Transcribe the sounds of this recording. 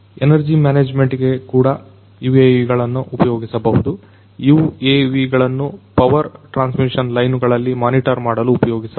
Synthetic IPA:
enɐɾd͡ʒimaːneːd͡ʒme̞ɳʈɡe̞kuːɽɐ | juːeʋiɡɐɭɐnːuʔupɐjoːɡisɐbɐɦud̪u | jueːʋiɡɐɭɐnːupɐʋɐɾʈɾaːnsmiʂɐnlɐjnuɡɐɭɐlːimaːniʈɐɾmaːɽɐluːpɐjoːɡisɐ

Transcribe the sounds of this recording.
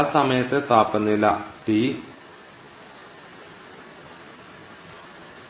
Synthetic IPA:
sɐmɐjɐt̪ːet̪aːpːɐnːilːɐʈi

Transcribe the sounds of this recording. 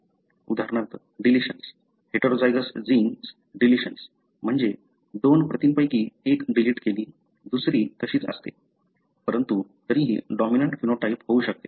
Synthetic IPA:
ud̪ʱaɾɳat̪ | ɖiliɕəns | heʈəɾod͡zajd͡zəsd͡zins | ɖiliɕəns | m̤əɳd͡ze | d̪onpɾət̪inpəjkiːekɖiliʈkeliː | d̪usɾiːt̪əɕiːt͡sə̰st̪ḛ | pəɾənt̪ut̪əɾĩːɦḭɖɔminəɳʈfinoʈaipɦouɕək̚t̪e

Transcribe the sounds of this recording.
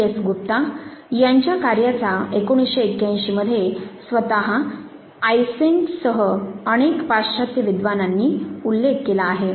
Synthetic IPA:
esɡup̚t̪ajaɲt͡ɕjakaɾjat͡saekoɽ̃isɕeːkjãj̃ɕiːməd̪ʱːjesʋət̪aɦa | jseŋksəɦəəɽ̃ekpaɾɕat̪jəʋid̪ʋananːiːulːekːelaːɦe

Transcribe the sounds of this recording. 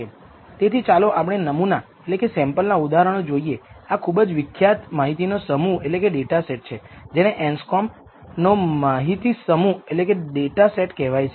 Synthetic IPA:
e | t̪et̪ʰit͡ʃaloʔapəɳ̃enəmuna | etlekesɛ̃mpəlnaud̪aɦɾəɽ̃od͡ʒoieakʰubəd͡ʒʋɪkʰːjat̪maɦit̪inosəmuetlekeɖeʈaseʈ̚t͡ʃʰed͡ʒeneʔɛnskɔm | nomaɦit̪isəmuetlekeɖeʈaseʈkɛʋajt͡ʃʰ

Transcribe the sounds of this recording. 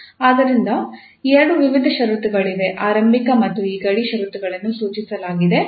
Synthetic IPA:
aːd̪ɐɾind̪ɐ | ɛɾɐɽuʋiʋid̪ʱɐʃɐɾut̪uɡɐɭiʋe̞ʔaːɾɐmbʱikɐmɐt̪ːuiːɡɐɽiʃɐɾut̪uɡɐɭɐnːusuːt͡ʃisɐlaːɡid̪e̞

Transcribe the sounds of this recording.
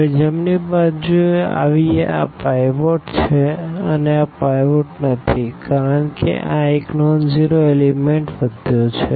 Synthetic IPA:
d͡ʒəmnibad͡ʒuea̰ʋieʔa̰pajʋoʈt͡ʃʰeəneapajʋoʈnət̪ʰikaɾəɳkḛʔãeknɔnd͡ʒiɾoelimeɳʈʋəd̪ʱjot͡ʃʰe

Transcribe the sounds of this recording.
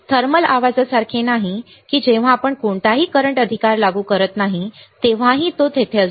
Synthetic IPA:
t̪ʰəɾməlaʋad͡zəsaɾkʰenaɦi | kiːd͡ʑeʋ̤aːpəɳkoɳʈ̪aɦiːkəɾəɳʈəd̪ʱikaɾlaɡuːkəɾət̪naɦit̪eʋ̤ãɦit̪ot̪ʰet̪ʰe

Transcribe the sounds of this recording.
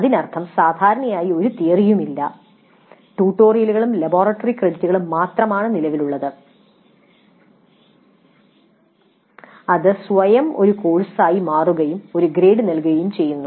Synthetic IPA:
ɐðinɐrt̪ʰɐmsaːd̪ʱaːɾɐɳɐjaːjio̞ɾut̪ijɐrijumilːɐ̰ | ʈuːʈːo̞ːrijɐluɣɐɭumlɐbo̞ːrɐʈːɐrikred̪itːuɣɐɭumːaːt̪rɐmaːɳɨnilɐʋiluɭːɐðɨ | ɐðɨsʋɐjɐmo̞ɾuko̞ːɻsaːjimaːruɣɐjumo̞ɾuɡɾe̞ːɖɨnɐlkuɣɐjumt͡ɕe̞jːunːu

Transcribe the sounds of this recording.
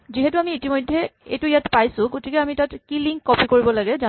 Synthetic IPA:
ziɦɛtuamiːtimojdʱːɛḛjtʊjatpajsʊ̃ɡotikɛamitatkiliŋkːɔpikoɹibɔlaɡɛza

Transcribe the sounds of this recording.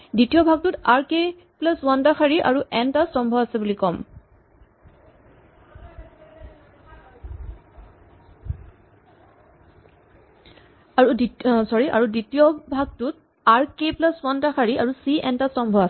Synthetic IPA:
ditijɔbʱaɡ̚tutaɹke | plaswantaxʰaɹiʔa̰ɹuʔɛntastɔmbʱɔasɛbulikɔm | aɹudisɔɹiʔa̰ɹuditijɔbʱaɡ̚tut̚ | aɹkeplaswantaxaɹiʔaɹusiɛntastɔmbʱɔasɛ

